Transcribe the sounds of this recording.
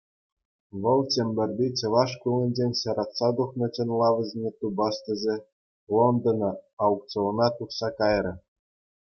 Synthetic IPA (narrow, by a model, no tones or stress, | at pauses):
ʋɤ̆lˠt͡ɕemʲbʲɘ̆rʲbʲit͡ɕɤ̆ʋɑʂkulʲˠɘ̆nʲd͡ʑenʲɕɑɾɑtsɑd̪uχnɤ̆t͡ɕɘ̆nʲlˠɑʋʲɘ̆zʲnʲet̪ubɑst̪ʲɘ̆zʲe | lˠond̪ɤ̆nɤ̆ɑuk̚t͡soonɑt̪uχsɑkɑjrʲɤ̆